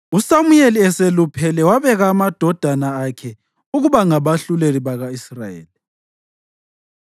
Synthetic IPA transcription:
usamujeliɛselupʰɛlɛwaβɛɣaːmad̥ʱɔd̥ʱanaːkʰɛ | uɣuβaŋaβaɬuleliβaɣaisraḛːli

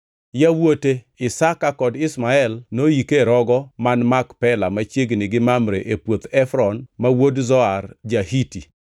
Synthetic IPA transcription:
jawote | ɪsakakɔdɪsmaɛlnojikeɾɔɡɔmanmakpɛlamat͡ʃjeɡnɪɡɪmamɾeʔepwot̪ɛfɾɔnmawodzɔard͡ʒahiti

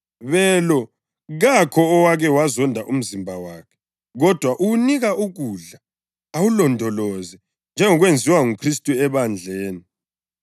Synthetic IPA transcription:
βɛːlɔ | ɣakʰɔːwaɣɛwazɔndʱaʔum̩zimbʱawakʰɛ̥ | ɣɔd̥ʱwaʔuuniɣauɣuɮa | awulɔndʱɔlɔzɛ | nd͡ʒʱɛŋɔɣwend͡zʱiwaŋukʰristʼuɛβand͡ɮʱeːni

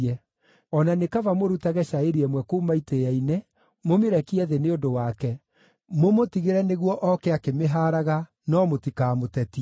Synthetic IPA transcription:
ɛ | ɔnanekavamoɾutaɣɛʃaeɾiɛmwɛkoːmaitejaine | momeɾɛkiɛðeneodowaːkɛ | momotiɣeɾɛneɣwɔʔɔkɛakemeɦaːɾaɣa | nɔmotikaːmotɛti

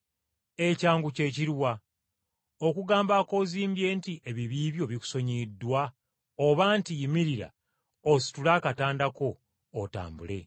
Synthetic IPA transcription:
e̞caːŋɡuce̞ːciɾwa | o̞kuɡaːmbako̞ziːmbje̞ːntiʔe̞βiβiːβjo̞βiku̥so̞ɲidːwa | oβantijimiɾiɾa̰ | osi̥tulaːkataːndako̞ː | ta̰ːmbṵle̞̰

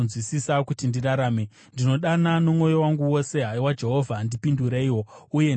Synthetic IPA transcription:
zwisisakutindiraɾaːme | ndino̞ɗanano̞mŋo̞jo̞waŋɡuwo̞se̞ɦaiwad͡ʒe̞ɦo̞vʱandipinduɾeiwo̞uje

